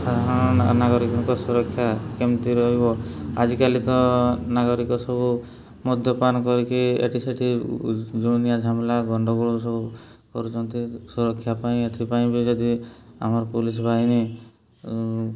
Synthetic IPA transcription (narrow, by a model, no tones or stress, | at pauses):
sad̪ʱaɾɔɽ̃ɔnaɡɔɾikɔŋkɔsuɾɔkʰːjakemt̪iɾɔɦibɔa̰d͡ʒikalit̪ɔnaɡɔɾikɔsɔbu | mud̪ʱjɔpanɔkɔɾikiḛʈiseʈʰid͡ʒunijad͡ʒʱamlaɡɔɳɖɔɡuɭɔsɔbu | kɔɾut͡ʃʰɔnt̪isuɾɔkʰːjapaĩet̪ʰipaĩbid͡ʒɔd̪ia̰mɔɾɔpulisɔbʱaini